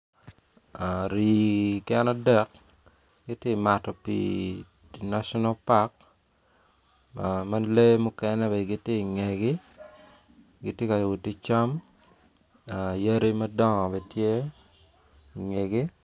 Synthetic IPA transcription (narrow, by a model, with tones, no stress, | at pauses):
a˨ɾi˨kɛ˦na˦dɛ˦k̚ | ɡ̥ɪ˦tje˦˨ma˨tɔ˨pḭ˨ | na˦ʃɔ˦na˦pa˦k̚ | ma˦le˦mʊ˦kɛnɛ˦bɛ˨ɡi˦tje˦˨ŋe˨ɡɪ˦ | ɡi˨tje˦ka˨wu˨ti˦t͡ʃa˦m | a˨ja˦ɾi˦mɐ˦dɔ˦ŋɔ˨bɛtje˦ | ŋe˨ɡi˦